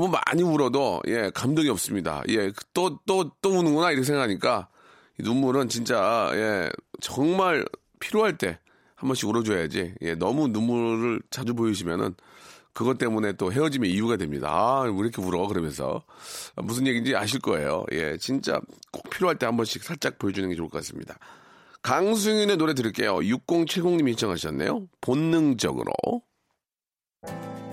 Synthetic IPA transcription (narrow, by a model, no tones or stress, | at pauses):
ʌmuma̰ɲimuɾʌdojʔe̞kamdʌɡiʌp̚s͈ɯmɲida̰je̞t͈ot͈ot͈omunɯnɡʌnaiɾʌkʰesʰeŋɡakʰaɲik͈a | inumuɾɯnt͡ɕint͡ɕ͈aje̞̰t͡ɕʌŋmaɭ | pʰiɾjoɦaɭt͈e̞ | hambʌnɕ͈ʰiɡuɾʌd͡ʑojad͡ʑḭje̞̰nʌmunumuɾɯɭt͡ɕad͡ʑubojiɕʰimjʌ̰nɯ̰n | kɯɡʌt͈e̞mune̞t͈oɦe̞ʌd͡ʑimjeijuɡadwe̞mɲida̰aiɾʌkʰemuɾʌkɯɾʌmjʌnsʰʌ̰ | mus̬ʰɯnje̞ɡid͡ʑiaɕ̬ʰiɭk͈ʌe̞̰jo̰jʔe̞̰t͡ɕint͡ɕ͈a̰k͈ok̚pʰiɾjoɦaɭt͈e̞hambʌnɕʰiksʰaɭt͡ɕ͈ak̚p͈oed͡ʑunɯnɡe̞t͡ɕoɭk͈ʰʌk͈as͈ɯmɲḭda | kaŋs̬ʰuŋine̞noɾe̞dɯɾiɭk͈e̞̰jo̰juk͈oŋt͡ɕʰeɭɡoŋɲimiçiɭt͡ɕʰʌŋɦaɕʰiʌnːe̞̰jo̰ponːɯŋd͡ʑʌ̰ɡɯ̰ɾo̰